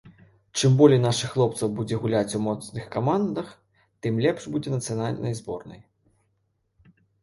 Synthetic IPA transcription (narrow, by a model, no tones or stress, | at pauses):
t͡ʂɨmbɔlʲɛjnaʂɨxːlˠɔp̚t̪sɐwbud͡zʲɛɣulʲat͡sʲumɔt̪snɨxkamand̪ɐx | t̪ɨmlʲɛpʂbud͡zʲɛnɐt̪sɨjanalʲnʔɐ̰jzbɔrnɐ̰j